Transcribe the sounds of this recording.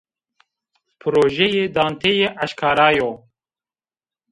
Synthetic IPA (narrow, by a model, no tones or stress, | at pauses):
pʰɨɾoːʒejeːd̪ɑːnt̪ʰejeːʔaʃkʰɑːɾaːjoː